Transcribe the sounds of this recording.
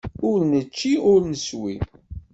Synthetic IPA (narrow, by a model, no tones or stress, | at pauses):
ʊɾnət͡ʃːiʊɾnəswi